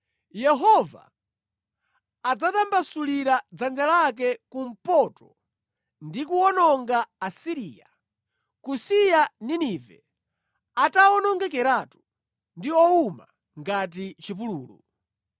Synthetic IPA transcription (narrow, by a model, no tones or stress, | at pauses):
jɛɦɔva̰ | d͡zatambasuliɾad͡zand͡ʒalak̬ɛkum̩pɔtɔ | ndikuɔnɔŋɡaːsiɾija | kusijaninivɛ̰ | ataɔnɔŋɡɛkɛɾatu | ndiɔuma | ŋɡat̬it͡ʃip̬uluːlṵ